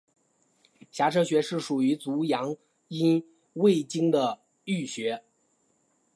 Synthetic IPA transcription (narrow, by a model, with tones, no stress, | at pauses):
ɕja˧˥ʈ͡ʂʰɤ˥ɕɥɛ˧˥ʂɻ̩˥˩ʂu˨˩y˧˥t͡su˧˥jɑ˧˥ŋ | i˥n | we˥˩ɪt͡ɕi˥ŋd̪ə˨ | y˥˩ɕɥɛ˧˥